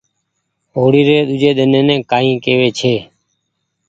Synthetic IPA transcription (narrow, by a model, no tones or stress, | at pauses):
ɦoːɽiːɾeːɗ̪ʊd͡ʒʱeːɗ̪ɪnẽːnẽːkaːɦĩːkeːʋeːt͡ʃʰeː